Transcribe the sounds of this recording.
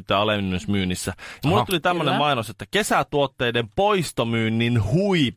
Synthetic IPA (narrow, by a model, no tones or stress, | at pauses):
t̪ːˑeɑlemnːysmyːnːisːæjɑmulːet̪ulit̪æmːønemmɑinoset̪ːækesæt̪uot̪ːeːdempoist̪omyːnːinhui